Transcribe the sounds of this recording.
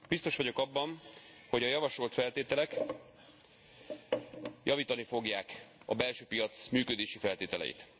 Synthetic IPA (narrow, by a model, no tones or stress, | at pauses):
b̥ist̪o̞ʃʋɒɟo̞kɒbːɒnho̞ɟɒjɒvɒʃo̞lt̪fɛlt̪eːt̪ɛlɛk | jʔɒviːt̪ɒnifo̞ɡjaːkɒ̰bɛlʃøːpijɒt̪smyːkø̞d̪eːʃifɛlt̪eːt̪ɛlɛ̰jḭt̪